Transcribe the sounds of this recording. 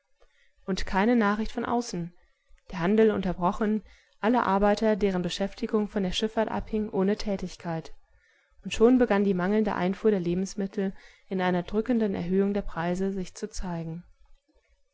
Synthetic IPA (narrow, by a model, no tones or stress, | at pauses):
ʔʊntkʰaɪnənaːχɪçtfɔnʔa̰ʊsn̩ | d̥eːɐhandl̩ʊ̰ntɐbʁɔχn̩ | ʔaləʔa̰ɐbaɪtɐdeːʁ̞ənbəʃɛftɪɡʊŋfɔndeːɐʃɪfaːɐtʔa̰phɪŋʔoːnətʰɛːtɪçkʰaɪt | ʔʊntʃoːnbəɡandiːmaŋl̩ndə̰ʔa̰ɪnfuːɐɾeːɐleːbm̩smɪtʰl̩ | ɪnʔaɪnɐdʁʏkəndənɛ̰ɐɦøːʊŋdeːɐpʁ̥aɪzəzɪçt͡sut͡saɪɡŋ̩